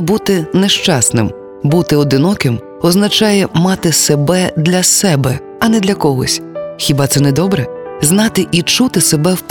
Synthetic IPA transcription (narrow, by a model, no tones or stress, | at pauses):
but̪ɪnɛʃt͡ʃɑsnɪ̰m | but̪ɪɔd̪ɪnɔkɪm | ɔznɐt͡ʃɑjɛmɑt̪ɪsebɛd̪lʲɐsɛbɛ | ɐnɛd̪lʲɐkɔɦɔsʲxʲibɑt̪sɛnɛd̪ɔbɾɛznɑt̪ɪʔit͡ʃut̪ɪsebɛwp